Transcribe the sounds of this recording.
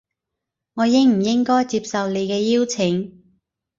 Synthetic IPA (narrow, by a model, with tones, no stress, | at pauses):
ŋɔː˨˧jɪ˥ŋm̩˨˩jɪ˥ŋkɔː˥jt͡siː˧p̚sɐ˨wle˨˧jkɛː˧jiː˥wt͡sʰɪ˨˥ŋ